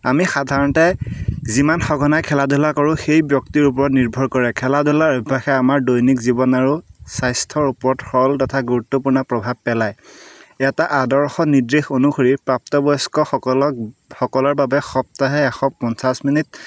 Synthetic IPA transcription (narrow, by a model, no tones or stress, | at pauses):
amixadʱaɹɔntɛzimanxɔɡʱɔnajkʰɛladulakɔɹʊxejbjɔktiɹup̬ɔɹɔtniɹbʱɔɹkɔɹɛkʰɛladʱulaɹɔbʱaxɛamaɹdojnikzibɔnaɹusajstʰɔɹupɔɔthɔltɔtʰaɡuɹutːopuɹnapɹɔbʱab̚pːɛlajɛtaʔadɔɹxɔnidɹexonuxoɹipɹap̚tɔbɔjskɔxɔɔɔxɔkɔlɔɹbabɛxɔp̚taɦɛːxɔpɔnsasminit̚